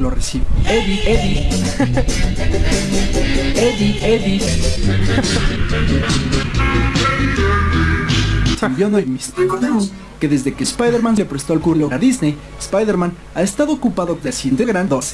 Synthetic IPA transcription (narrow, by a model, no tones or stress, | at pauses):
loresiβoeðieði | eðieði | simjonojmist̪ione | ke̞ðe̞zðe̞kespajðeɾmãnlepɾest̪oalkuɾoaðiznej | spajðeɾmãn | aest̪aðo̞ːkupaðokesint̪eɣɾand̪os